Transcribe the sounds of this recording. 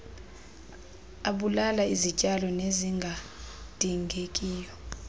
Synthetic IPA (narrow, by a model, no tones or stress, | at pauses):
aɓulalaizit͡ʃʼalɔneziŋɡʱad̥ʱiŋʱekʼiːjɔ